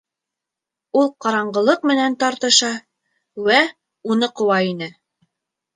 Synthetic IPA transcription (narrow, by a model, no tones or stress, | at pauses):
ulˠqɑɾɑɴɢɤ̆lˠɤq̚mɘ̆nænt̪ɑɾt̪ɤ̆ʃɑ | wæ | unɤqŏwɑinɘ